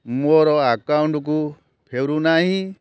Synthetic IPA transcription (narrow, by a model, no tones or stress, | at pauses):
mɔɾɔakaunɖuk̬u | pʰeɾunaɦĩ